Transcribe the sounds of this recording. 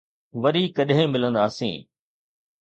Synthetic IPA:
ʋɐɾiːkɐɗɦẽmɪlə̃nd̪aːsḭ̃ː

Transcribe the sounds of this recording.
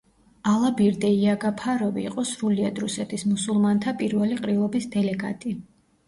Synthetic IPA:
alˠabiɾd̪ɛiaɡapʰaɾɔvḭːqʼɔsɾuliad̪ɾusɛt̪ʰismusulˠmant̪ʰapʼiɾvɛliqʼɾilˠɔbisd̪ɛlɛɡa̰t̪ʼi

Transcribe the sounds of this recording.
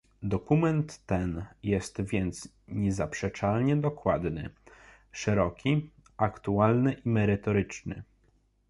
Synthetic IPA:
d̪ɔkumɛnt̪ːɛnjɛst̪vʲjɛnt̪s | ɲɛzapʂɛt͡ʂalɲɛd̪ɔkwad̪nɘ̰ | ʂɛɾɔkʲi | akt̪ualnɘʔimɛɾɘt̪ɔɾɘt͡ʂnɘ̰

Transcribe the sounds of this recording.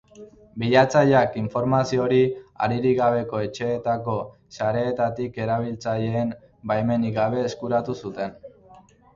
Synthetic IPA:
biʎat͡saʎakiɱfo̞ɾmasio̞ɾia̰ɾiɾiɣaβ̞e̞ko̞e̞t͡ʃe̞ːt̪ako̞ | saɾe̞ːt̪at̪ike̞ɾaβ̞ilt͡saʎe̞ːm | bajme̞niɣaβ̞e̞ːskuɾat̪usut̪e̞n

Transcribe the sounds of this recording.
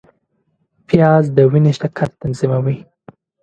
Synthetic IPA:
pjɑzd̪əwineʃt̪akʰaɾt̪anzimawi

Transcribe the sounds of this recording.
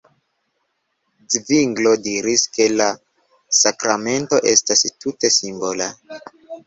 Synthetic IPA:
d͡zviŋɡlo̞diɾiske̞la | sakɾame̞nto̞ʔe̞stastute̞simbo̞la

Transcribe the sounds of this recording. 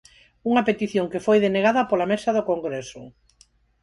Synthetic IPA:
uŋɐpet̪iθjoŋkefojðeneɣaðɐpolamesɐðokoŋɡɾesʊ

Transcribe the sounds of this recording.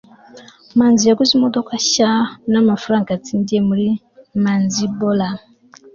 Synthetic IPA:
manziaɡuzimɔdɔkaʃanamafɾaŋkat͡sindiemuɾi | manzibɔla

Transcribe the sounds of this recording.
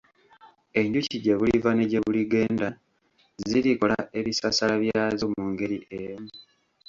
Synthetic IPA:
e̞ɲɟuciɟeβulivane̞ɟeβuliɡe̞ːnda | ziliko̞laʔe̞βisasalaβjaaːzomuːŋɡe̞ɾiʔemu

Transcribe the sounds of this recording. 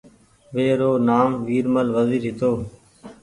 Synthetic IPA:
ʋeːɾoːnaːmʋiːɾməlʋəziːɾɦɪt̪oː

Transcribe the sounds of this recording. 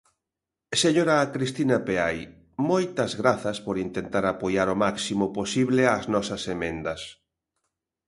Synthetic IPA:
seɲoɾaːkɾist̪inɐpeaj | mojt̪ɐzɣɾaθɐspoɾint̪ent̪aɾapojaɾomaksimoposiβleaznɔsɐsemẽnd̪ɐs

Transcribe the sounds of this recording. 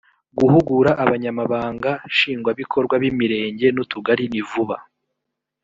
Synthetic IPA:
ɡuhuɡuɾaʔaβaɲamaβaːŋɡaʃiːŋɡwaβikʰo̞ɾɡwaβimiɾe̞ːɲɟe̞nutuɡaɾinivuβa

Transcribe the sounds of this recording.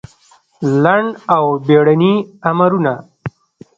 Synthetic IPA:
laɳɖawbeɽaniamaɾuna

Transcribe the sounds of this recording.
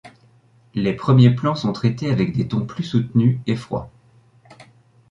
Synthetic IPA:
lepχəmjeplɑ̃sɔ̃t̪χet̪eavɛkd̪et̪ɔ̃plysut̪nyefχwa̰

